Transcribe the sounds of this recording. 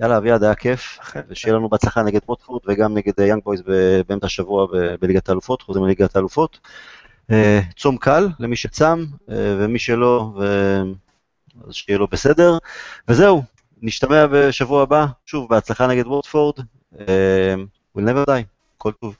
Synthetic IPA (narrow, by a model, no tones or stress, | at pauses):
jalaːviad̪ajakʰe̞fveʃejelanubeat͡slaχaneɡe̞d̪wot̪foʁd̪veɡamneɡe̞d̪jaŋɡ̚bo̞jsbebemtaʃavuabebeliɡat̪aːlufo̞tχozimeliɡat̪aːlufo̞t̪ | et͡somkʰallemiʃet͡samḛvemiʃelo̞ve | azʃejelo̞bese̞de̞ʁvezeu | niʃt̪ameabe̞ʃavuabaʃuvbeat͡slaχaneɡe̞dwot̪foʁd̪ | em | wilnevedaj | kʰo̞lt̪uv